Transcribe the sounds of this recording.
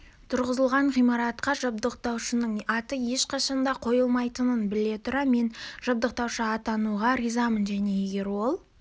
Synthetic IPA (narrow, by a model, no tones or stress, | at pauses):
t̪ʰʊɾʁəzəlˠʁɑɴʁijmɑɾɑt̪qɑʒəb̚d̪əq̚t̪ɑwʃənəɴɑt̪əje̞ʃqʰɑʃɑnd̪ɑqʰo̞jəlˠmɑjt̪ənənbɪle̞t̪ʰʊɾɑme̞nʒəb̚d̪əq̚t̪ɑwʃəɑt̪ɑnuʁɑɾizɑmənʒæne̞je̞ɡʲe̞ɾwo̞lˠ